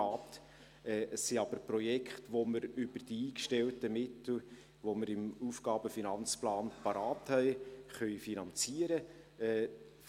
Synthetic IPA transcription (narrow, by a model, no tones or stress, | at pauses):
ɑːt | ɛːʔəsːiɑb̥əɾprɔjɛkχtʋoməɾʏb̥ərd̥iiːkʃtɛltəmɪtl̩ | ʋoməɾɪmufɡ̥ɑːb̥əfinɑnt͡splɑːnpɑɾɑːthɛɪχœʏfinɑnt͡siəɾə | ɛː